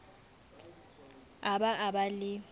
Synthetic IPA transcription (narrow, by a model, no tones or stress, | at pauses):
aɓaʔaɓalɪ